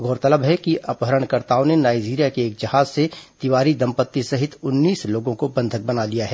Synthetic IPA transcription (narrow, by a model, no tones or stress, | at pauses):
ɡʱoːɾt̪ələbɦɛkiʔɐpɦəɾəɽ̃kəɾt̪aːõnenaːɪd͡ʒiːɾijakeːk̚d͡ʒɐhaːzset̪ɪʋaːɾid̪ɐ̃mpət̪ːisɐɦɪt̪ʊnːiːsloːɡõkobɐ̃nd̪ʱək̚bɐnalijaɦɛː